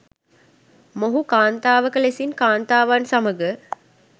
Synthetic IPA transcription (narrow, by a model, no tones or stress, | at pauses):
moɦukaːnt̪aːʋəkəlesinkaːnt̪aːʋansɐməɡə